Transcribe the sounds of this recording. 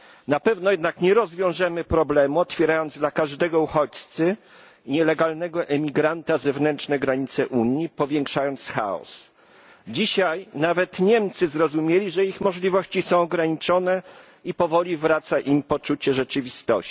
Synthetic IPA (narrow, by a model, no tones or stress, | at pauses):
napɛvnɔjɛd̪nakɲɛɾɔzvʲjɔ̃w̃ʐɛmɘpɾɔblɛmuɔt̪fʲjɛɾajɔnd̪zd̪lakaʐd̪ɛɡɔuxɔt͡ɕt̪sɘ | ɲɛlɛɡalnɛɡɔʔɛmʲiɡɾant̪azɛvnɛnt͡ʂnɛɡɾaɲit̪sɛʔuɲjipɔvʲjɛŋkʂajɔnt̪sxa̰ɔ̰s | d͡ʑiɕajnavɛt̪ɲɛmt̪sɘzɾɔzumʲjelʲiʐɛixmɔʐlʲivɔɕt͡ɕisɔ̃w̃ɔɡɾaɲit͡ʂɔnɛ | ipɔvɔlʲivɾat̪saʔimpɔt͡ʂut͡ɕɛʐɛt͡ʂɘvʲist̪ɔ